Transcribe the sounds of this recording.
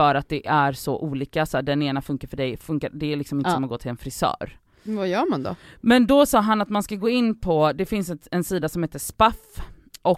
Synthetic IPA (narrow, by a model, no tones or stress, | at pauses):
œːɾat̪̚d̪ɛʔæɾsɔʔuːliːkasɖɛneːnafɵŋkaɾfœɖɛjfɵŋkaɾd̪ɛælɪksɔmɪnsɔmanɡɔːt̪ʰɪlɛnfɾɪsœ̰ːɾ | vajœːɾmand̪ɔ̰mɛnd̪ɔsɑːɦanat̪manskaɡoːɪnːpʰɔd̪ɛfɪnsɛt̪ɛnsiːd̪asɔmheːt̪əʂpaf | ʔɔ